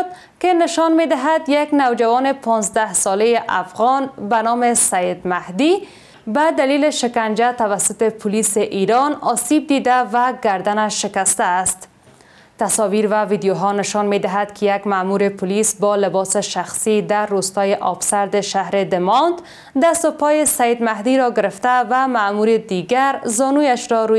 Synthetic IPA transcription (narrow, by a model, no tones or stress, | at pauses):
t̪ | kɪnɪʃɔnmed̪ɪɦad̪jaknawd͡ʒawɔnɪpʰɒnzd̪ahsɔlejɪʔafɣɔnbanɔmɪsajɪd̪mahd̪i | bad̪alilɪʃɪkand͡ʒat̪avasʊt̪ɪpʰʊlisɪʔiɾɔnɒsib̚d̪id̪avaɡaɾd̪anaʃːɪkast̪aːst̪ | t̪asɔviɾvavid̪joɦɔnɪʃɔnmed̪ɪɦad̪kʰɪjaɡmamuɾɪpʰʊlisbɔlɪbɔsɪʃaxsid̪arːust̪ɔjɪʔɒbsaɾd̪ɪʃaɦɾɪd̪ɪmɔnd̪ | d̪ast̪ʊpɔjɪsajɪd̪maɦd̪iɾɔɡɪɾɪft̪avamamuɾɪd̪iɡaɾzɒnujaʃɾɔɾu